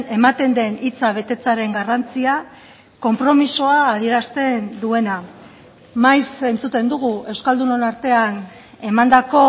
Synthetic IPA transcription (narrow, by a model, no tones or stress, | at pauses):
e̞mat̪e̞nd̪e̞nit͡saβ̞e̞t̪e̞t͡saɾe̞ŋɡarant͡sia | ko̞mpɾo̞misoaːð̞ie̞ɾast̪e̞nd̪ue̞na | majse̞nt͡sut̪e̞nd̪uɣ̞ue̞wskald̪unonaɾt̪e̞an | e̞mand̪ako̞